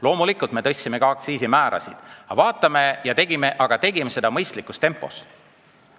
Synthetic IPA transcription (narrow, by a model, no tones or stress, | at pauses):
lo̞ːmulikult̪me̞t̪ɤ̞sʲːime̞kɑɑkt̪siːsimæːɾʔɑ̰sid̪̥ɑvɑːt̪ːˑɑme̞jɑt̪e̞ɡ̥ime̞ʔɑɡ̥ɑt̪e̞ɡime̞se̞d̪ɑmɤjst̪likːˑust̪e̞mpːˑo̞̰s